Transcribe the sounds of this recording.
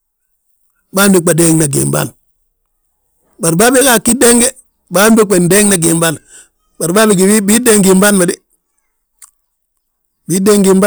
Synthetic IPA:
ba˦mbi˨k͡pa˨de˦ŋna˨ɡḭ˨mba̰˦˨n | ba˨ɾbaː˦be˦ka˨kːi˦de˦ŋɡe˦ | ba˦mbi˦k͡pe˨nde˦ŋna˦ɡi˨mba˦n | ba˨ɾbaː˦bi˨ɡi˨wi˦bi˦de˦ŋɡi˨mba˦nma˨di˦ | bi˨˦de˦ŋɡi˨mba˦

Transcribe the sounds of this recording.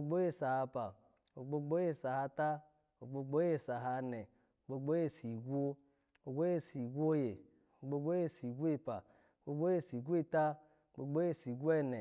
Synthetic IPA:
o˧ɡ͡bo˦je˦˨sa˨ha˧pa˨ | o˨ɡ͡bo˧˦ɡ͡bo˦je˦˨sa˨ha˧ta˦ | o˨ɡ͡bo˧ɡ͡bo˦je˦˨sa˨ɦa˧nɛ˨ | o˨ɡ͡bo˧ɡ͡bo˦je˦si˨ɡʷo˦ | o˨ɡʷo˦je˦˨si˨ɡʷo˦je˨ | o˨ɡ͡bo˧ɡ͡bo˦je˦si˨ɡʷe˦˨pa˨ | o˨ɡ͡bo˧ɡ͡bo˦je˦˨si˨ɡʷe˦ta˦ | o˨ɡ͡bo˧ɡ͡bo˦je˦˨si˨ɡʷu˦ɛ˦nɛ˨

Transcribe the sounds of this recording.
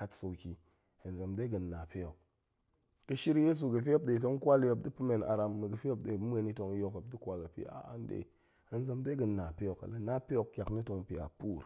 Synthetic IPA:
ka˦tso˨kʲi˨ | ə˨nze˨mde˦ɡə˨nːa˨pe˦jo˨k̚ | kɨ˦ʃi˦ɾje˦s̬u˨ɡə˨f̬i˦o˦p̚ɗe˨t̬o˦ŋ˦kʷa˦ljo˨p̚di˦pɨ˦me˨na̰˨ɾa˧mːə˨ɡɨ˨fi˦o˦p̚ɗe˨be˨ni˦to˧ŋ˦jo˦ka˨p̚di˦kʷwa˨la˨pḭ˦a̰˨a̰˨n˦dḛ˨ | e˨n˦ze˧mde˦ɡə˨nːa˨pe˦jo˨ka̰˨la˦na˦pe˦jo˨kkʲa˨kni˦to˧ŋ˨pi˨a̰˨pu˦˨ɾ

